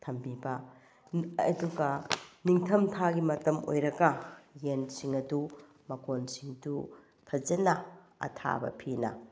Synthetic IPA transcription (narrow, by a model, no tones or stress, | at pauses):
tʰɐmbibɐː | duɡɐniŋtʰɐmtʰaɡimɐtɐmo̰jɾɐɡɐjensiŋɐdu | mɐkonsiŋdu | tʰɐd͡ʒɐnɐ | ɐ̰tʰa̰bɐ̰pʰinɐ